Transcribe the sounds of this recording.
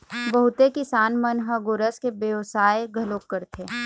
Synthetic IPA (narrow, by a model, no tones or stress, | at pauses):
bɐɦʊt̪ekɪsaːnmɐnɦɐ̃ɡʊɾəskebeʋsaːeɡʱɐloːkːəɾt̪ʰeː